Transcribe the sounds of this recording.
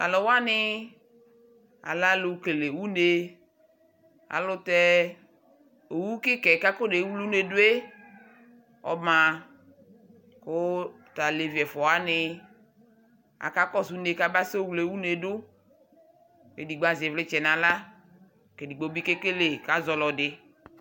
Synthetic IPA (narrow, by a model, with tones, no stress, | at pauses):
a̰˨lɔ˨wa˦nɪ˦ | a̰˨la˦lʊ˨ke˨le˨wu˦ne˨ | a̰˨lʊ˦tɛ˦ | o˨wu˦kɪ˦kɛ˨ka˦ko˦de˨˦wu˦lu˦ne˨dʊ˦e˦ | ɔ̰˨ma˨ | kʊ˦˨ | ta˨le˨vi˨ɛ˨fɔ˨a˦nɪ˨ | a̰˨ka˦kɔ˦su˦ne˨ka˦ba˦so˦wle˨wu˦ne˨dʊ˦ | ke˨di˨ɡ͡ba˨zi˨ɛ˨vlɪ˦t͡ʃɛ˨na˨la˦˨ | ke˨di˨ɡ͡bo˨˦bi˦ke˦ke˦le˨ka˦zɔ˨lɔ˨dɪ˨